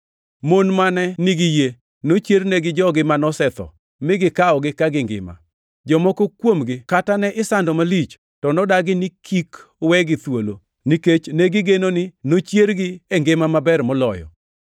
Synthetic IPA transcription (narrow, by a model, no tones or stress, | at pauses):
monmanɛnɪɡɪje | not͡ʃjeɾnɛɡɪd͡ʒɔɡɪmanɔsɛt̪ɔ̰ | mɪɡɪkaɔɡɪkaɡɪŋɡɪ̰ma̰ | d͡ʒɔmɔkokwomɡɪkatanɛʔɪsandɔmalit͡ʃ | tɔnɔdaɡɪnɪkʰik | wɛɡɪt̪wolo̰ | niket͡ʃnɛɡɪɡenonɪnot͡ʃjeɾɡɪeŋɡɪmamabɛrmɔlɔjɔ̰